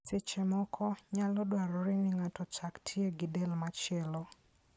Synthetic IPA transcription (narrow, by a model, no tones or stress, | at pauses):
sɪt͡ʃɛmɔkʰɔɲalɔdwaɾɔɾɪnɪŋatɔt͡ʃaktʰjeɡɪdɛlmat͡ʃɪɛlɔ